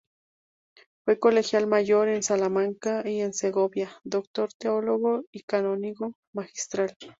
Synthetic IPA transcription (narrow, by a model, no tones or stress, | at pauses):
wekolexjalmajoɾensalamaŋkaienseɣobjad̪okt̪oɾt̪eoloɣoikanoniɣo | maxi̥st̪ɾal